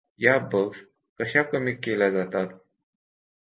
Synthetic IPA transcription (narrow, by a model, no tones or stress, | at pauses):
jabəks | kəɕakəmiːelad͡zat̪at̪